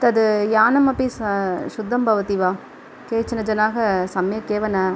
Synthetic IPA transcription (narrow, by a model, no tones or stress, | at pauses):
t̪ɐd̪ɯjaːnɐmɐpːisʃʊd̪ʱːɐmbʱɐʋɐt̪iʋaː | keːt͡ʃɐnɐd͡ʒɐnaːɣɐsɐmjɐkːeːʋɐnɐ